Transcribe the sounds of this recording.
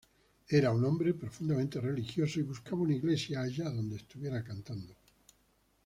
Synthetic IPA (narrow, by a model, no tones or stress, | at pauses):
eɾaunõmbɾepɾofund̪amẽnt̪erelixjosoiβuskaβaunaiɣlesjaːʎaðond̪est̪uβjeɾakant̪and̪o